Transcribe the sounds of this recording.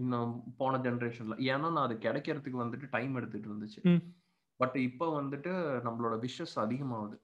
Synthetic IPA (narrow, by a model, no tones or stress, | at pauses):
nːãpoːɳɐd͡ʒɛnɐɾeːʂɐnlã̰ːeːnːaːnãːɐðɯkːɛɽɛkːɪɾɐt̪ːɯkːɯʋɐnd̪ɯʈːɯʈɐɪmɛɽɯt̪ːɯʈːɯɾɐnd̪ɯt͡ʃːɯ | bɐʈːɪpːoːʋɐnd̪ɯʈːɯnɐmːɐɭoːɽɐʋɪʂjɐsɐðɪɣɐmaːʋɐðɯ